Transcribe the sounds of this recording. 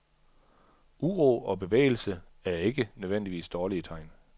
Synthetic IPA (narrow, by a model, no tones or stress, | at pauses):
ʔuʁoːɒ̽b̥e̝ʋḛːɪl̩sə | æɐe̝ɡ̥ənøðʋen̰d̥iʋḭːsd̥ɒːliət͡sʰɑ̈ɪ̰n